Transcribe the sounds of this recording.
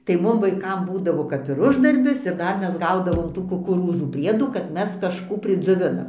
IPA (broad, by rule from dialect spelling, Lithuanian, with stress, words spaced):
tɐɪ ˈmʊm ʋɐɪˈkɐm ˈbuːdɐʋoː kɐp ɪr ˈʊʒdɐrʲbʲɪs ɪr ˈdɐr ˈmʲɛs ˈɡɐʊdɐʋoːm ˈtuː kʊkʊˈruːzuː ˈpʲrʲiɛduː kɐt ˈmʲɛs kɐʃˈkuː pʲrʲɪd͡zʲoːˈʋʲɪnɐm